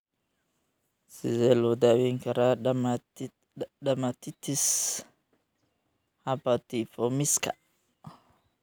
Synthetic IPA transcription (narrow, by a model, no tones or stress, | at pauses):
sizelod̪awiŋkaɾaama | damat̪it̪ʰis | hapat̪ifomiska̰ʔ